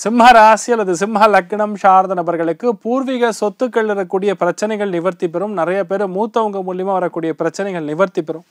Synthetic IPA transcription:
sɪmɦaːɾaːsɪɐlːɐðɯsɪmɦaːlɐk̚ːɪɳɐmʂaːɾd̪ɐnɐbɐɾɣɐɭɯkːɯpuːɾʋɪɣɐsɔt̪ːɯkːɐɭːɯɾɐkːuːɽɪjɐpɪɾɐt͡ʃːɐnɐɪɣɐɭnɪʋɐɾt̪ɪp̬ːɛɾɯmnɪɾɐjɐpeːɾɯmuːt̪ːɐʋɐŋɡɐmʊljɐmaːʋɐɾɐkːuːɽɪjɐpɪɾɐt͡ʃːɐnɐɪɣɐɭnɪʋɐɾt̪ɪpːɛɾɯm

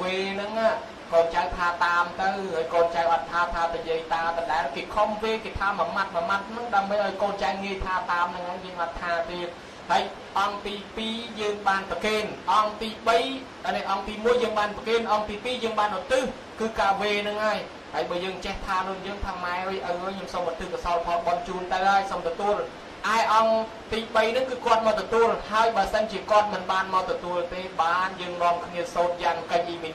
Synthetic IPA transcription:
ʋeːnɨŋaːʔ | koːnt͡ɕawt̪ʰaːt̪aːmt̪ɨwhaːjkoːnt͡ɕaɛŋʔɔt̪ʰːaːt̪ʰaːt̪əjiəjt̪aːt̪əɗaɛlkeːkʰompeːkeːt̪ʰaːmamat̪̚mamat̪̚nɨŋɗaəmɓəjʔaɔjkoːnt͡ɕaɛŋŋiəjt̪ʰaːt̪aːmnɨŋnɨŋjəːŋʔat̪ʰaːt̪iət̪̚ | haəj | ʔɑŋt̪iːpiːjəːŋɓaːnpəkeːnʔɑŋt̪iːɓəj | anɛʔɑŋt̪iːmuəjːəːŋɓaːnpəkeːnʔɑŋt̪iːpiːjəːŋɓaːnʔot̪ɨh | kɨːkaːʋeːnɨŋhaəj | haəjɓɑːjəːŋt͡ɕeht̪ʰaːnʊ̆əjəːŋt̪ʰaːmaɛʋɨjʔəwʔəɲomsomʔɔt̪ɨhkasaɔlpʰɑlɓɑnt͡ɕuːnt̪awhaəjsomt̪ɔt̪uəl | ʔaɛʔɑŋ | t̪iːɓəjnɨŋkɨːkŏət̪̚maːt̪ɔt̪uəlhaəjɓaəsənt͡ɕiəkŏət̪̚mɨnɓaːnmaːt̪ɔt̪uəlt̪eːɓaːnjəːŋnoəmkʰniəsoːt̪̚jaːŋkəc̚ʔimɨ

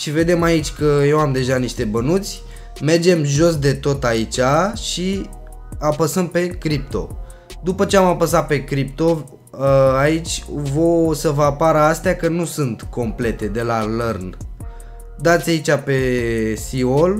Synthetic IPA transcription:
ʃive̞d̪e̞mait͡ʃʲkəje̞wamd̪e̞ʒaniʃt̪e̞bənut̪sʲ | me̞rd͡ʒe̞mʒo̞s̬d̪e̞t̪o̞t̪ait͡ʃaʃi | apəsəm̚pe̞kɾip̚t̪o̞̰ | d̪upət͡ʃe̞amapəsat̪̚pe̞kɾip̚t̪o̞ | ait͡ʃʲvosəvəapaɾəast̪eakənusɨnt̪ko̞mple̞t̪e̞d̪e̞lalərn | d̪at̪sʲait͡ʃape̞sio̞l

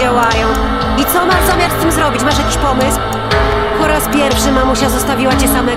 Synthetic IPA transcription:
awajɔ̃w̃ | it̪sɔmaɾzɔmʲjak̪st̪ɘmzɾɔbʲit͡ɕmaʂ̬jakʲi̥ɕpɔmɘsw | pɔɾaspʲjɛɾfʂɘmamuɕazɔst̪avʲiwat͡ɕɛsamɛ

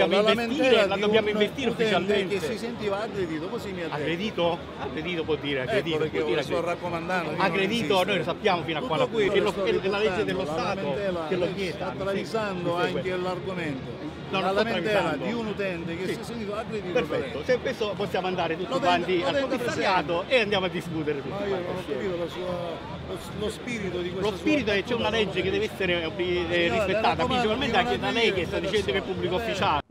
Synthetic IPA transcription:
jamoivest̪iːɾeladd̪objaːmoĩnvest̪iːɾufit͡ʃalment̪ːisent̪iːvaːɡɾed̪iːt̪okosimːiad̪aɡɾed̪iːt̪o | aɡɾed̪iːt̪opwɔd̪ːiːɾeaɡɾed̪iːɡɔiːɾaɔakːomand̪anoaɡɾed̪iːt̪onoːjlosapːjaːmofiːnoak̪uwallkelolaled͡ʒːed̪elːost̪aːt̪okelːokjɛːd̪at̪ːɾaisand̪oaŋkelarɡoment̪o | nɔnsɔɾavizaad̪iunut̪ɛnt̪ekesiɛsːent̪iːt̪oaɡɾed̪ipeɾfɛt̪ːosekwest̪oposːjaːmand̪aːɾet̪ut̪ːiwant̪ialuisaɾjaːt̪oʔeand̪jamoad̪ːiskut̪eɾet̪uionnɔkːapit̪olasua | lospiɾit̪od̪ikwelospiːɾit̪oɛt͡ʃːɛunalɛd͡ʒːek̬ed̪ɛvɛsːeɾeobiispet̪ːaːt̪apɾint͡ʃipalment̪eaŋkeunalɛjkɛst̪ad̪it͡ʃɛnd̪okeilpubːlikoofːit͡ʃaːl

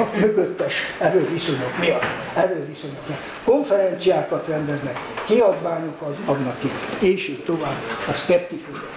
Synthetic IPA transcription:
myɡøt̪ːɛʃɛɾøːviso̞ɲokmiɒt̪ː | ɛɾøːviso̞ɲokmiɒt̪ko̞ɱfɛɾɛnt̪sijaːkɒt̪rɛnd̪ɛznɛkkiɒd̪ʋaːɲokɒzɒɡ̪nɒkit̪ːeːʃeːkt̪ovaːbɒskɛpt̪ikuʃ

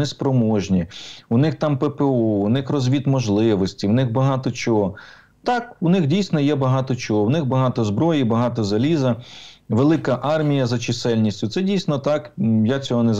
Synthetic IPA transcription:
ɛspɾɔmɔʒnʲiuʊnɪxt̪ɑmpepeɔunɪxrɔzʲʋʲit̪mɔʒlˠɪʋɔsʲtʲiwnɪxbɐɦɑt̪ɔt͡ʃɔɦɔ | t̪ɑkunɪxdʲijsʲnɔjɛbɐɦɑt̪ɔt͡ʃɔɦɔwnɪxbɐɦɑt̪ɔzbɾɔjibɐɦɑt̪ɔzɐlʲizɐʋelˠɪkɐʔɑrmʲijɐzɐt͡ʃɪsɛlʲnʲisʲtʲʊt̪sɛdʲijsʲnɔt̪ɑkjat͡sʲɔɦɔnɛz

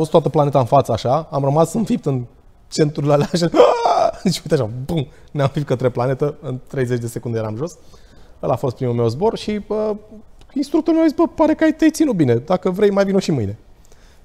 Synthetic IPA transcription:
fost̪wat̪əplane̞t̪aɨnfat̪səaʃaamrəmasɨnfip̚t̪ɨn | t͡ʃe̞nt̪ɾulalaʃ̬a | it͡ʃujt̪aʃabun | neaɱfip̚t̪kət̪ɾe̞plane̞t̪əɨnt̪ɾe̞jze̞t͡ʃʲd̪e̞se̞kund̪ejeɾamʒo̞s | əlafo̞st̪pɾimume̞wzbo̞rʃiə | inst̪ɾukt̪oɾumeazisbəpaɾekəajt̪ejt̪sinut̪̚bine̞d̪akəvɾe̞jmajvinuʃimɨjne̞

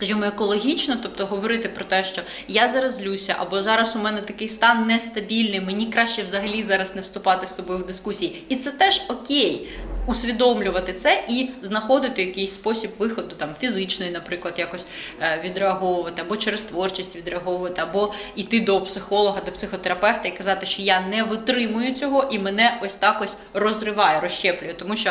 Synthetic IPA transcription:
skɐʒimɔekɔlˠɔɦʲit͡ʃnɔt̪ɔp̚t̪ɔɦɔʋɔɾɪt̪ɪpɾɔt̪ɛʃt͡ʃɔ | jazɐɾɐzlʲusʲɐʔɐ̰bɔzɑɾɐsʊmɛnɛt̪ɐkɪjst̪ɑnːɛst̪ɐbʲilʲnɪjmɪnʲikɾɑʃʲt͡ʃɛwzɐɦɐlʲizɑɾɐsnɛwst̪ʊpɑt̪ɪst̪ɔbɔjʊwd̪ɪskusʲiji | it̪sɛt̪ɛʒɔkʲejusʲʋʲid̪ɔmlʲʊʋɐt̪ɪt̪sɛʔiznɐxɔd̪ɪt̪ɪjɐkejsʲspɔsʲibʋɪxɔd̪ʊt̪ɑmfʲizɪt͡ʃnɔjinɐpɾɪklˠɐd̪jakɔsʲʋʲid̪ɾeɐɦɔʋʊʋɐt̪ɪɐbɔt͡ʃeɾest̪ʋɔrt͡ʃisʲtʲʋʲid̪ɾeɐɦɔʋʊʋɐt̪ɪɐbɔit̪ɪd̪ɔpsɪxɔlˠɔɦɐd̪ɔpsɪxɔt̪eɾɐpɛwt̪ɐikɐzɑt̪ɪʃt͡ʃɔjɑnɛʋɪt̪ɾɪmʊjʊt͡sʲɔɦɔʔimɛnɛʔɔsʲt̪ɑkɔsʲ | rɔzrɪʋɑjɛɾɔʃt͡ʃɛplʲʊjɛt̪ɔmuʃt͡ʃɔ

